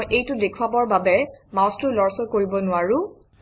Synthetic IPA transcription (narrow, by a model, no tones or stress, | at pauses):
jʔejtʊdekʰuabɔɹbabɛmãstʊlɔɹsɔkoɹibɔnʊaɹʊ̃